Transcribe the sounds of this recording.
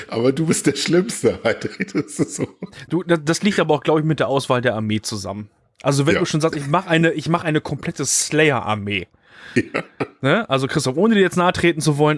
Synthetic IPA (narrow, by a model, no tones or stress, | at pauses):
ʔa̰ːbɐduːbɪst̚d̥eːɐʃlɪmstəatʁɪdssod̥uːdad̥asliːktʔaːbɐaʊxɡ̥laʊbəɪçmɪt̚d̥eːɐʔaʊsv̥aːldeːɐʔaɐmeːt͡suza̰mən | ʔalzovɛnnduːʃoːnzaːstʔɪçmaχəʔaɪnəʔɪçmaχəʔaɪnəkʰɔmpʰl̥ɛtəslɛɪɐʔa̰ɐmeː | janəʔalzokʰʁ̥ɪstɔfʔoːnədiːjɛt͡snaːtʁ̥eːtn̩t͡suvɔlən